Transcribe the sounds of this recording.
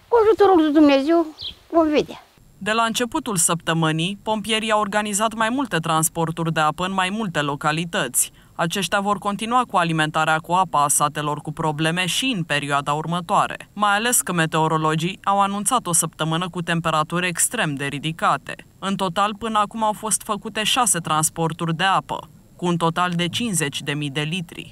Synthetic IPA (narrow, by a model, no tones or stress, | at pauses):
kuaʒut̪uɾoɡd̪ud̪umnezewvomved̪ea̰ | d̪e̞laɨnt͡ʃe̞put̪ulsəp̚t̪əmɨnijpo̞mpije̞ɾiaworɡanizat̪majmult̪e̞t̪ɾanspo̞rt̪urʲd̪e̞apəɨnmajmult̪e̞lo̞kalit̪ət̪sʲ | at͡ʃe̞ʃt̪eavo̞rko̞nt̪inuakualime̞nt̪aɾeakuapaːsat̪e̞lo̞rkupɾo̞ble̞me̞ʃiɨnpe̞ɾioad̪aurmət̪oaɾe̞̰majale̞skəme̞t̪e̞o̞ɾo̞lo̞d͡ʒiawanunt̪sat̪o̞səpt̪əmɨnəkut̪e̞mpe̞ɾat̪uɾʲekst̪ɾe̞md̪e̞ɾid̪ikat̪e̞̰ | ɨnt̪o̞t̪alpɨnəakumawfo̞st̪fəkut̪e̞ʃase̞t̪ɾanspo̞rt̪urʲd̪e̞apə̰ | kuːnt̪o̞t̪ald̪e̞t͡ʃinze̞t͡ʃʲd̪e̞mid̪e̞lit̪ɾḭ